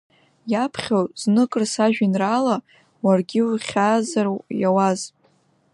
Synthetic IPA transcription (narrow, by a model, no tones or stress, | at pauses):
japʰχʲawznɨkʼrsaʒᶣinrala | warɡʲɪwχʲaːzarjawaz